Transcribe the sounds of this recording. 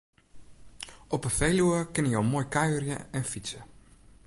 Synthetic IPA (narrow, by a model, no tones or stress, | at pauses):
ɔpəfejluəkɪnəjowmoːjkajørjə̰ɛnfisə